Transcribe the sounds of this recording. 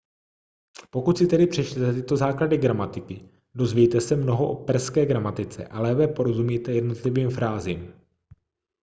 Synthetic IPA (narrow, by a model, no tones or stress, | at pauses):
po̞kut̪sɪt̪ɛdɪpr̥ɛt͡ʃt̪ɛt̪ɛt̪ɪt̪o̞zaːkladɪɡɾamat̪ɪkɪ | do̞zvɛjt̪ɛsɛmno̞ɦoʔopɛrskɛːɡɾamat̪ɪt͡sɛ̰ʔalɛːvɛːpo̞ɾo̞zumiːt̪ɛjɛdno̞t̪lɪviːmfɾaːziːm